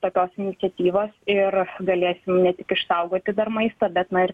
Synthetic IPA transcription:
t̪oːkʲoːsɪnʲɪtsʲɛt̪ʲiːʋoːsɪrɡɐlʲeːsʲɪmnʲɛt̪ʲɪkɪʃsɐʊɡoːt̪ʲɪd̪ɐrmɐɪst̪ɐːbʲɛt̪nɐɪr

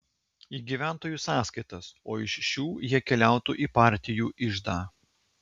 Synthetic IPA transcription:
iːɡʲiːʋʲæˑnt̪oːjuːsɑːskɐɪt̪ɐsoːɪʃːuːjiɛkʲɛlʲæˑʊt̪ṵʔiːpɑˑɾʲt̪ʲɪjuːʔɪʒd̪ɑː

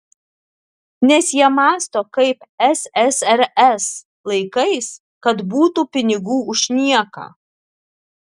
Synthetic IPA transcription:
nʲɛsjiɛmɑːst̪oːkɐɪpɛsɛsɛɾɛs | lˠɐɪkɐɪs | kɐt̪buːt̪uːpʲɪnʲɪɡuːʊʃʲnʲiɛkɑ̰ː

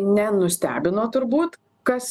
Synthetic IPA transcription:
nʲɛnʊsʲt̪ʲæ̰ːbʲɪnoːt̪ʊɾbuːt̪ | kɐs

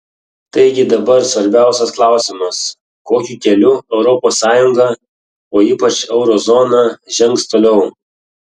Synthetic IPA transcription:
t̪ɐɪɡʲɪd̪ɐbɐɾsʋɐɾʲbʲæˑʊsʲɛsklˠɑˑʊsʲɪmɐs | koːkʲuːkʲɛlʲʊɛʊɾɔpoːsːɑːjʊŋɡɐ | oːiːpɐt͡ʃɛʊɾoːzɔːnɑʒʲɛŋˑkst̪oːlʲɛʊ

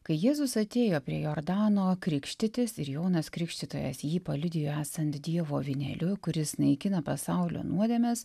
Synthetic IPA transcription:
kɐɪjeːzʊsɐt̪ʲeːjoːpʲɾʲiɛjoːɾd̪ɑːnoːkɾʲɪkʃʲt̪ʲɪt̪ʲɪsɪɾjɛʊnɐskɾʲɪkʃʲt̪ʲɪt̪o̰ːjɛ̰sjiːpɐlʲʊd̪ʲɪjoæːsɐnt̪d̪ʲiɛʋoːʋʲɪnʲɛ̰lʲʊkʊɾʲɪsnɐɪkʲɪnɐpɐsɑʊlʲo̰ːnuɔd̪ʲɛːmʲɛs

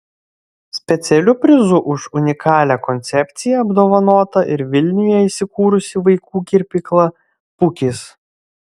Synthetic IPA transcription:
sʲpʲɛt̪sʲɛlʲʊpʲɾʲɪzʊʔʊʃʊnʲɪkʰɑːlʲækɔnʲt̪sʲɛpʲt̪sʲɪjɛɐbd̪oːʋɐnoːt̪ɐʔɪɾʋʲɪlʲnʲʊjɛisʲɪkuːɾʊsʲɪʋɐɪkuːkʲɪɾʲpʲɪklˠɐ | pʊkʲɪːs

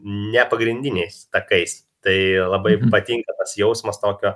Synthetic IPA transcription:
nʲɛpɐɡɾʲɪnʲd̪ʲɪnʲɛɪst̪ɐkɐɪs | t̪ɐɪlˠɐbɐɪpɐt̪ʲiːŋkɐt̪ɐsjɛʊsmɐst̪oːkʲoː

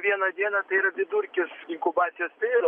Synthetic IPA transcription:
ʋʲiɛnɐd̪ʲiɛnɐt̪ɐɪiːɾɐbʲɪd̪ʊɾʲkʲɪsɪŋkʊbɑːt̪sʲɪjoːst̪ɐɪiːɾɐ

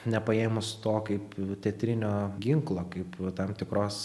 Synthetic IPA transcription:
nʲɛpɐeːmʊst̪oːkɐɪpt̪ʲɛt̪ʲɾʲɪnʲoːɡʲɪŋklˠoːkɐɪpt̪ɐmt̪ʲɪkɾoːs

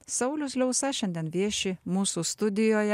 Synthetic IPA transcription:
sɐʊlʲʊslʲɔʊsɐʃʲɛnʲd̪ʲiɛnʋʲiɛʃʲɪmuːsuːst̪ʊd̪ʲɪjoːjɛ

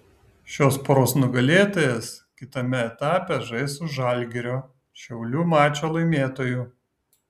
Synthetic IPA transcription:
ʃʲoːspːɾoːsnʊɡɐlʲeːt̪oːjɛskʲɪt̪ɐmʲɛɛt̪ɑːpʲɛʒɐɪsʊʒɐˑlʲɡʲɪɾʲoː | ʃʲɛʊlʲuːmɑːt͡ʃʲoːlˠɐɪmʲeːt̪oːjuːˑ

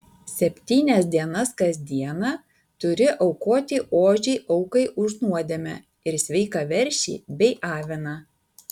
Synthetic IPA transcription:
sʲɛpʲt̪ʲiːnʲɛsʲd̪ʲiɛnɐskɐzʲd̪ʲiɛnɑː | t̪ʊɾʲɪʔɒʊkoːt̪ʲiːʔoːʒʲɛʔɐʊkɐɪʔʊʒnuɔd̪ʲɛmʲɛ̰ | ɪɾsʲʋʲɛɪkɐʋʲɛɾʲʃʲḭːbʲɛɪʔɑːʋʲɪnɑ

